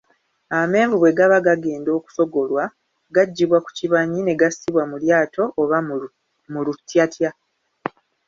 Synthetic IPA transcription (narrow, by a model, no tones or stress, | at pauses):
ame̞ːɱvuβwe̞ɡaβaɡaɡe̞ːndo̞ːku̥so̞ɡo̞lwa | ɡaɟːiβwaku̥ciβaɲine̞ɡasiβwamuljaːtʰo̞ʔːβa | mulutːjatʰja